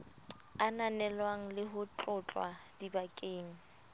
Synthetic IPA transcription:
ananɛlwaŋ̩lɪɦʊt͡ɬʼʊt͡ɬʼwa̰dibakʼeːŋ̩

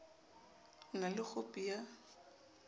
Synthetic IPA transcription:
ŋalɪk͡xʰʊpʼija

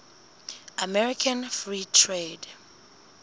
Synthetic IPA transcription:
amɛɹikʰãnfɹitʰɹed

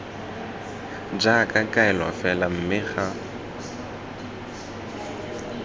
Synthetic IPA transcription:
d͡ʒakʼakʼaɛlwa̰fɛlam̩mɪɣa

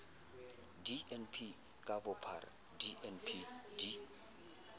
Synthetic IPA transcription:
diʔɛnpʰi | kʼabɔpʰa̰r | diʔɛnpʰidi

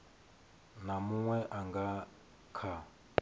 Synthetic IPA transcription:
namuŋwɛʔaŋɡa | kʰa

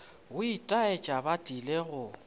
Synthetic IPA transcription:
ɣʊitʼaet͡ʃʼabatʼileɣʊ

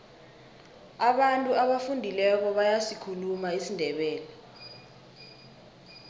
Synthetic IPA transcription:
aɓantʼuaɓafundʱilɛk̬ɔɓajasikʰulumaisindʱɛɓɛːlɛ

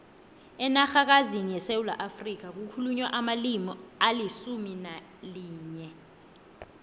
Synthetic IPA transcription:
ɛnaxak̬azinijɛsewula̰ʔafrik̬ak̬ukʰuluɲwaʔamalimɔalisumina | liːɲɛ

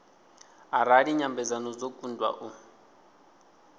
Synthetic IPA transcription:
aɾadiɲambɛd͡zanɔd͡zokʼundwa̰ʔu

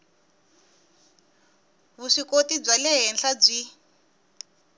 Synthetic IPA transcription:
βuʂikotib͡ʐalɛɦɛnɬab͡ʐʷi

